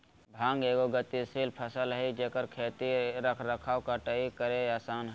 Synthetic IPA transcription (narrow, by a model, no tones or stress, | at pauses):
bʱãːŋɡeːɡoɡət̪isiːlpʰəsəlɦəid͡ʒeːkəɾkʰeːt̪iɾəkʰɾəkʰaːwkaʈəikəɾeaːsaːnɦ